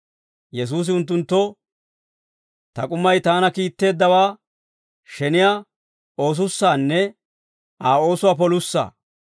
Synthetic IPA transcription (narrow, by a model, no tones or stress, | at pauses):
jɛs̬uːs̬ɪʊnt̪̬ːʊnt̪ːɔ | t̪ɐkʼʊmːɐjt̪aːnɐkiːt̪ːe̞ːd̪ːɐwaː | ʃɛnɪjaː | o̞ːs̬ʊsːaːnːɛ | aːo̞ːsʊwaːp̬ɔlʊsːa̰ː